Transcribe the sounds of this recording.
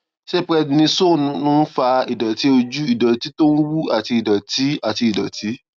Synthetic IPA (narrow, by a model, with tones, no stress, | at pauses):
ʃe˦˨pɾɛ˧˨nĩ˧sõ˦˨˧nũ˦fa˧i˨dɔ˨ti˨˦o˧d͡ʒu˦i˦˨dɔ˨ti˦to˦n̩˦wu˦a˨ti˧i˨dɔ˨ti˨˦a˨ti˧i˨dɔ˨tʰi˨˦